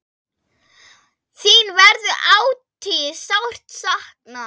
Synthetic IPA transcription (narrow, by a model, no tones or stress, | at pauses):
θinvɛɾðʏʔaːwt̪ʰisawr̥t̪sahkna